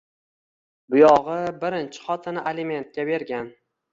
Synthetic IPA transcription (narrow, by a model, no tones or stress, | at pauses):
bʊjɒʁɨbɪɾɪnt͡ʃʰɪ̥χɒt̪ʰɪnɪʔalime̞nt̪̚kʲabe̞ɾɡʲan